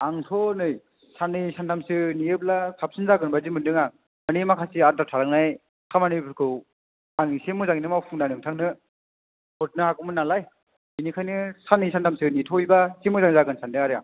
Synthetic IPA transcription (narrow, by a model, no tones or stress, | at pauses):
aŋtʰɔnɯj | sanɯsantʰamsɯnijɯp̬̚lakʰap̚sinzaɡɯnbazimɯndɯŋaŋ | ɯnimakʰasiaɾ̚datʰaɾaŋnaj | kʰamanɯbʰɯɾkʰɯw | aŋisemɯzaŋinɯmawpʰuŋnanɯŋtʰaŋnɯ | pɔt̚nɯhakɯmɯnːalaj | inikʰajnɯsanɯsantʰamsɯnitʰɔjbasemɯzaŋzaɡɯnsʰandɯaɾɯjaŋ